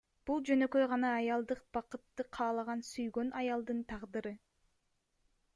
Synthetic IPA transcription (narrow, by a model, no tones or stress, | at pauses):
b̥ulˠd͡ʒø̞nø̞kø̞jʁɑnɑːjɑlˠd̪ɯq̚b̥ɑqɯt̪ːɯqʰɑːlˠɑʁɑnsyjɡø̞nʔɑjɑlˠd̪ɯnt̪ʰɑʁd̪ɯɾɯ